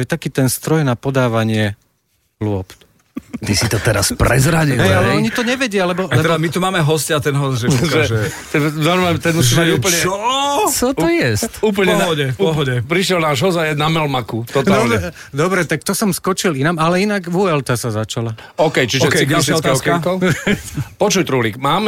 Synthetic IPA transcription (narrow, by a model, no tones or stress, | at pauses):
ɔjɛt̪akiːt̪ɛnst̪ɾɔjnapɔd̪aːʋaɲɪɛ | lʊɔp | t̪isit̪ɔt̪ɛɾa̰spɾɛ̰zɾaɟiɦɛjalɛɔɲit̪ɔɲɛʋɛɟɪalɛbɔɛɛd̪amit̪umaːmɛɦɔscat̪ɛnɦɔsʒɛʒɛɛt̪ɛnzamamt̪ɛnmusiauːp̩ɲɛɔt͡sɔtɔjɛstuːpl̩ɲɛɦɔɟɛfuɔɦɔɟɛpɾiʃjɛlnaːʒɦɔzajɛnamɛlmakut̪ɔt̪d̪aɔlɲɛɛ | d̪ɔbɾɛt̪ak̚t̪ɔsɔmskɔt͡ʃilinamalɛinaɡʋuɛlt̪asazat͡ʃala | ɔkɛjt͡ʃiʒɛikast̪akkɔ | pɔt͡ʃujt̪ɾulikmaːm